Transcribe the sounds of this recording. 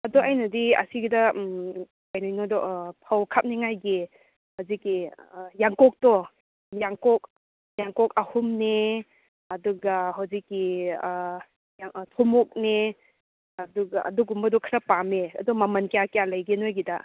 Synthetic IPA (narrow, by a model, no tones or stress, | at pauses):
ɐdɔajnɐdiɐ̰siɡidɐm | ajnajnɔdɔʔpʰawkʰap̚neŋajɡe | hawzikːijaŋkɔk̚tɔ | jaŋkɔk̚ | jaŋkɔkɐhumne | ɐduɡɐɦawzikːi | aŋtʰɔmɔk̚ne | ɐduɡaɐ̰duɡumbɐdɔkʰɾɐpameɐ̰dɔmamɐnkejakejalajɡenojɡida̰